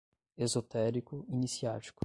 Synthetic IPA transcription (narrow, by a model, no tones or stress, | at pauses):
ezot̪ɛɾikʊinisiat͡ʃi̥kʊ